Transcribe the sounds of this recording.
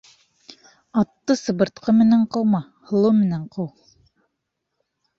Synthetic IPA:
ɑt̪ːɤsɤ̆βɤ̆ɾt̪qɤmɘ̆næɴqɤ̆wmɑ | hɤ̆lˠɤmɘ̆næɴqɤw

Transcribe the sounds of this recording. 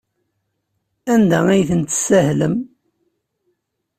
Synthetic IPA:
ænd̪ææjθənt̪sæhləm

